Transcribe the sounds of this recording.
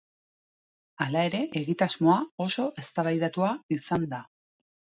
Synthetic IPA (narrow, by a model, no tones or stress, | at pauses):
alae̞ɾe̞ʔeɣit̪azmo̞ao̞so̞ʔe̞st̪aβajðat̪uaisand̪a